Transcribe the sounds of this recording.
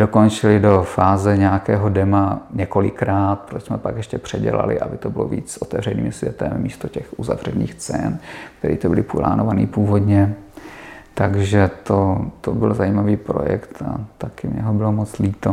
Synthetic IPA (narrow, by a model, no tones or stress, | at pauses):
d̥oko̞nt͡ʃɪlɪdo̞faːzɛɲɛakɛːɦo̞dɛmaɲɛko̞lɪkɾaːt̪̚pɾosmɛpakjɛʃcɛpr̝̥ɛɟɛ̰la̰lɪ̰ʔa̰bɪt̪obɪlo̰vḭːt͡ssʔot̪ɛvr̝ɛniːmsvʲjɛt̪ɛmːiːst̪ocɛxuza̰vr̝ɛniːxt͡sɛ̰nkt̪ɛɾḭːt̪obɪlɪpula̰ːnovanḭːpuːvo̞d̪ɲɛ | t̪aɡʒɛt̪ot̪obɪlzajiːmaviːpɾo̰jɛ̰kt̪a̰t̪akɪmɲɛɦobɪlomot͡sliːt̪o